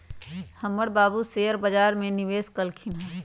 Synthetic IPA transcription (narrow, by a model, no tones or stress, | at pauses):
hɐmːəɽbaːbuseːjəɾbɐd͡ʒaːɾmẽnɪʋeːskɐlkʰina